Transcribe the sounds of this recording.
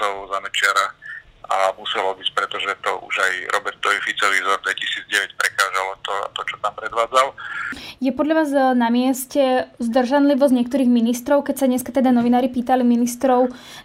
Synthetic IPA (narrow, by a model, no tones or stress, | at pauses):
ɔʊzamɛt͡ʃɪaɾaamusɛlɔbicpɾɛt̪ɔʒɛt̪ɔʔṵʒajɾʔɔbɛɾt̪ɔʋifit͡sɔʋizɔɾd̪ʋɛcisiːd͡zɟɛʋɛcpɾɛkaːʒalɔt̪ɔa̰t̪ɔt͡ʃɔ̥t̪ampɾɛd̪ʋaːd͡zaljɛpɔd̪ʎaʋaːznamɪɛscɛzd̪r̩ʒanliʋɔzɲɛkt̪ɔɾiːɣminist̪ɾɔʊkɛcsaɲɛskat̪ɛd̪anɔʋinaːɾipiːt̪aliminist̪ɾɔʊ